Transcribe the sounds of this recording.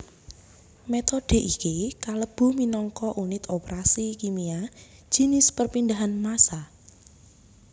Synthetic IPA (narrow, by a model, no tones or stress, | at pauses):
met̪od̥e̤ʔikikaləb̥ṳminɔŋkɔʔunɪt̪opeɾasikimiḁʒ̥i̤nɪspərpind̪aɦanmasa